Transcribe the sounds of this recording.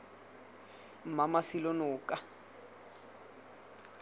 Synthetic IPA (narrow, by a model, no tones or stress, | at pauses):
m̩mamasilonʊːkʼa